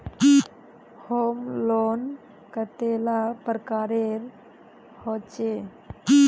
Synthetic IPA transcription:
homlon | kət̪elapɾəkaɾeɾ | hot͡ʃe

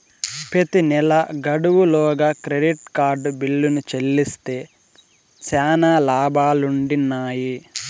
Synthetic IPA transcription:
pet̪inɛlɐɡɐɽuwulɔːɡaːkɾeɖiʈkaːɾɖbilːunut͡ʃelːist̪e̞ː | t͡ʃɛːnaːlaːbaːluɳɖinːaːji

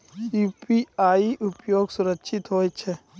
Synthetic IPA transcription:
uːpiaːiʔʊpjoːɡsʊɾəkʃʰɪt̪ɦoːet͡ʃʰɛ

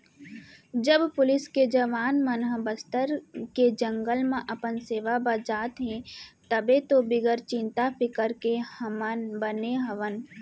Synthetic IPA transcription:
d͡ʒəbpʊlɪsked͡ʒəʋaːnmənɦəbəst̪əɾked͡ʒə̃ŋɡəlmẽʔɐpənseːʋabəd͡ʒaːt̪ɦɛ̃t̪əbet̪obɪɡəɾt͡ʃɪ̃nt̪apʰɪkəɾkenbəneɦəʋən

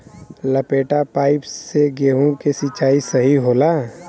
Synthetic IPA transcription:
lɐpeːʈapaːɪpseɡeːɦõkesɪt͡ʃaːisɐɦiɦoːlaː

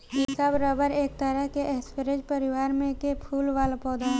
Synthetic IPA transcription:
isəbɾəbəɾeːk̚t̪əɾəɦkeʔɛːspəɾed͡ʒpəɾɪʋaːɾmẽkepʰuːlʋaːlpɔːd̪ə

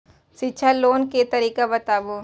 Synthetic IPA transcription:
ʃitːʃʰaloːnket̪ɐɾiːkabɐt̪aːboː

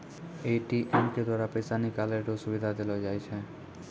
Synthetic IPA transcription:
eʈiʔɛmked̪waːɾapəjsanikaleʈosʊʋid̪ʱad̪elod͡ʒajt͡ʃʰe

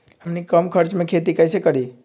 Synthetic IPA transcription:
həmnikəmkʰəɾt͡ʃmẽkʰet̪ikəjsekəɽi

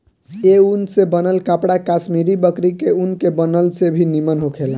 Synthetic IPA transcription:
eunsebənəlkapɽakasmiɾibəkɾikeunkebənəlsebʱinimənɦokʰel

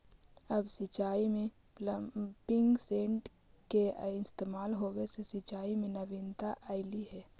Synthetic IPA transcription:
əbsɪt͡ʃaːimẽ | lpɪŋɡsẽːʈ | keɪst̪eːmaːlɦoːwesesɪt͡ʃaːimẽnəʋɪnt̪aʔaːɪliɦɛː

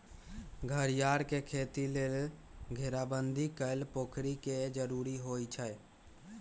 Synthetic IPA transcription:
ɡʱəɾjaɾkekʰet̪ilelɡʱeɾabənd̪ʱikəlpokʰɾiked͡ʒəɾuɾiɦojt͡ʃʰə

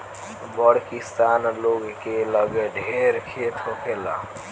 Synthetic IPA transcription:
bəɽkist̪anloɡkeləɡeɖʱeɾkʰet̪ʰokʰela̰

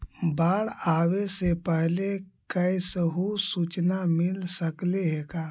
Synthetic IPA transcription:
baːɽaːwesepəɦlekəjsəɦusut͡ʃnamɪlsəkleɦekaː

